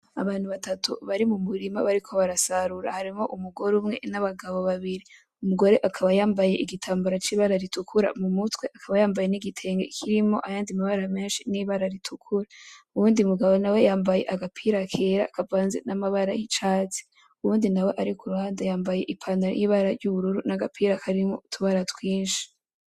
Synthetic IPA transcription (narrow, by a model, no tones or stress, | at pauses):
a̰βaːnhuβatatʰṵβaɾimumuɾimaβaɾikʰo̞βaɾasaɾuɾa̰haɾimo̞ʔumuɡo̞ɾumŋe̞̰naβaɡaβo̞βaβiɾi | umuɡo̞ɾe̞ʔakʰaβajaːmbaje̞̰ʔiɡitʰaːmbaɾat͡ʃiːβaɾaɾitukʰuɾa̰mumutwe̞ʔakʰaβajaːmbajeniɡitʰe̞ːŋɡekʰiɾimo̞ʔajaːndimaβaɾame̞ːnʃiniβaɾaɾitʰukʰuɾauβuːndimuɡaβo̞nawe̞jaːmbaje̞̰ʔaɡapʰiɾakʰe̞ɾa̰kʰavaːnze̞̰namaβaɾajit͡ʃaːt͡si̥ | uuːndinawe̞ʔaɾikuɾuaːndajaːmbaje̞ʔipʰaːndaɾ̰jiːβaɾaɾɟuβuɾuɾunaɡapʰiːɾakʰaɾimotʰuβaɾatwiːnʃi̥